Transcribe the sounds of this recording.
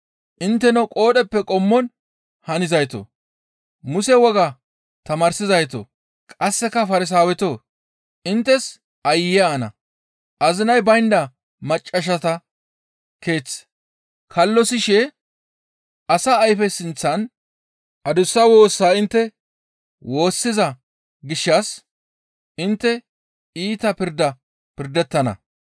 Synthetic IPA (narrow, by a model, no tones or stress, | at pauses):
ʔɪnt̪ːɛnɔkʼo̞ːɗɛpːɛkʼɔmːɔn | hɐnɪzɐjt̪o̰ | mʊsɛwɔɡɐ | t̪ɐmɐːɾsɪzɐjt̪o̰ | kʼɐsːɛkːɐfɐɾɪs̬aːwɛt̪oː | ʔɪnt̪ːɛs | ʔɐjɪjaːnɐ̰ | ʔɐzɪnɐjbɐjnd̪ɐ | mɐt͡ʃʼːɐʃ̬ɐt̪ɐ | ke̞ːt͡sː | kʰɐlːɔsɪʃɛ | ʔɐsɐːjfɛsɪnt͡sːɐn | ʔɐd̪ʊsːɐwo̞ːsːaːɪnt̪ːɛ | wo̞ːsːɪzɐ | ɡɪʃːɐs | ʔɪnt̪ːɛ | iːt̪ɐpɪɾd̪ɐ | pɪɾd̪ɛt̪ːɐnɐ̰